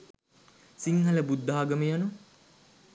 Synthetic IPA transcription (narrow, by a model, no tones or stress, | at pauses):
siŋɦɐləbud̪ːaːɡɐməjanu